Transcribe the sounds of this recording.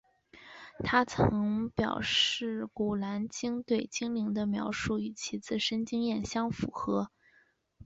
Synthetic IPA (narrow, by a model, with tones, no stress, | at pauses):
t̪ʰa˥t͡sʰɤ˧˥ŋpjɑ̰˨˩ʊʂɻ̩˥˩ku˨˩la˧˥nt͡ɕi˥ŋt̪we˥˩ɪt͡ɕi˥ŋli˧˥ŋd̪ə˧mjɑ˧˥ʊʂu˥˩i˨˩t͡ɕʰi˧˥t͡sɹ̩˥˩ʂə˥nt͡ɕi˥ŋjɛ˥˩nɕjɑ˥ŋfu˧˥xɤ˧˥